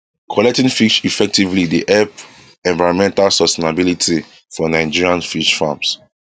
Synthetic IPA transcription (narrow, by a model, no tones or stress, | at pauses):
kʰɔlɛk̚tĩŋfiʃifɛk̚tivlideʔɛp | ɛ̃nvaɪɹɔ̃nmɛ̃ntalsɔstenabilitʰi | fɔnãɪ̃d͡ʒiɹiãnfiʃfãms